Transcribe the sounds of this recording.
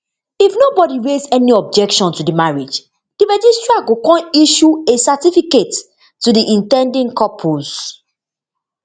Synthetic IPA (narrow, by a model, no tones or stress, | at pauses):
ifnobɔdiɹezɛniɔb̚d͡ʒɛkʃɔ̃ntudimaɹed͡ʒ | d̥imad͡ʒistɹaɡokɔ̃niʃuesatifiketː | udiʔĩntɛ̃ndĩnkɔpʰoz̥